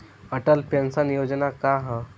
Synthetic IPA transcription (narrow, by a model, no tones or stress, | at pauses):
əʈəlpjənsanijod͡ʑnakaɦã